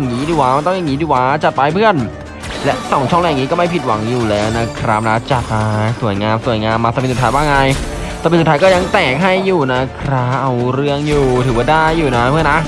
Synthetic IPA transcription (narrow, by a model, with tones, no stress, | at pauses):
ŋiː˦˥diː˨˩waː˦˥ma˧nt̪ɔ˥˩ŋja˨˩ŋiː˦diː˧˩waː˦˥t͡ɕa˨t̪̚paː˧jpʰɯ˥˩ən | lɛ˦˥ʔsɔ˨˩˦ŋt͡ɕʰɔ˥˩ŋljni˦kɔ˥˩ma˥˩jpʰi˨˩t̪̚wa̰˩˦ŋjuː˨˩lɛː˦˥wna˦˥kʰɾa˦˥p̚na˦kʰa˥t͡ɕa˨˩t̪̚maː˧su˨˩˦jŋaː˧msu˨˩əjŋaː˧mːaː˧a˨˧˩psu˨˩t̪ʰːjwaː˥˩ŋa˧j | t̪aː˨˧˩pe˧nst̪ʰːjkɔː˥˩ja˧ŋt̪ɛː˨˩k̚ɦa˥˩jːuː˨˩na˦˥kʰɾa˦˥pʔa˧wɾɯ˥˩əŋjuː˨˩t̪ʰɯː˩˦wa˥˩daː˥˩jːuː˨˩na˦˥pʰɯ˥˩əna˦˥